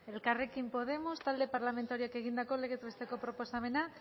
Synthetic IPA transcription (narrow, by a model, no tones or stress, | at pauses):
e̞lkarekimpo̞ð̞e̞most̪ald̪epaɾlamẽnt̪aoɾjakeɣind̪akoleɣet̪βest̪ekopɾopo̞st̪amena